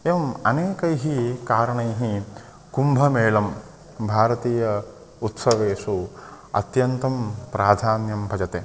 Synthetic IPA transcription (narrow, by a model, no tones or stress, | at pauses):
eːʋɐmɐneːkɐjɦikaːɾɐɳɐjɦi | kumbʱɐmeːlɐm | bʱaːɾɐt̪iːjɐ | ut̪sɐʋeːsu | ɐ̰t̪jɐnt̪ɐmpɾaːd̪ʱaːnjɐmbʱɐd͡ʒɐt̪eː